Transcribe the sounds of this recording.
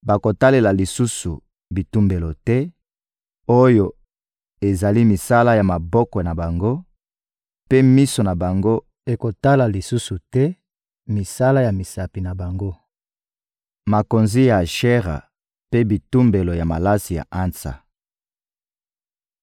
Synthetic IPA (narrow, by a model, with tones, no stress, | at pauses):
ba˨ko˨ta˦le˨la˨li˨su˦su˨ | bi˨tu˦mbe˨lo˨tɛ˦ | o˦jo˨ | e˨za˨li˦mi˨sa˦la˦ja˨ma˨bɔ˦kɔ˨na˨ba˨ŋɡo˦ | pe˦mi˦so˨na˨ba˨ŋɡo˦ | e˨ko˨ta˦la˨li˨su˦su˨tɛ˦ | mi˨sa˦la˦ja˨mi˨sa˨pi˨na˨ba˨ŋɡo˦ | ma˨ko˨nzi˦ja˨ʃɛ˦ʁa̰˨ | pe˦bi˨tu˦mbe˨lo˨ja˨ma˨la˦si˨ja̰˨ʔa˦nsa̰˨